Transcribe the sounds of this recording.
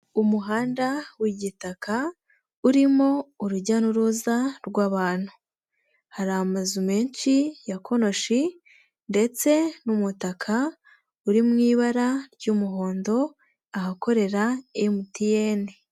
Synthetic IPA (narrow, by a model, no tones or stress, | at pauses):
umuɦaːndawiɟitakʰa | uɾimo̞uɾuɟanuɾuzaɾɡwaːβaːn̥hu̥ | haɾamazumeːnt͡ʃijakʰo̞no̞ʃi | nde̞t͡se̞numutakʰa | uɾimŋiːβaɾaɾɟumuɦo̞ːndo̞ | ahako̞ɾe̞ɾaejmutijeːne